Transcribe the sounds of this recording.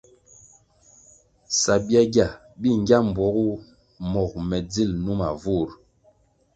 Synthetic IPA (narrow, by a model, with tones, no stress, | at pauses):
sa˨bi˦a˦ɡa˨ | bi˦ŋ˦ɡʲa˦m˨bwɔ˨˦ɣu˦ | mɔ˨k̚mɛ˨d͡zi˦˨lnu˦ma˨vu˦˨ɾ